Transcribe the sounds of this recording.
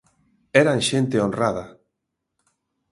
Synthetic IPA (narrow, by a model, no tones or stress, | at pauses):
ɛɾaŋʃent̪eonraða